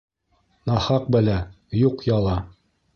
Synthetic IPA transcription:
nɑhɑq̚bælæ | juqjɑlˠɑ

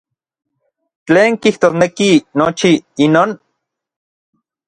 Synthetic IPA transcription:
t͡ɬeːŋkiht̪oːsnekinot͡ʃiinoːn

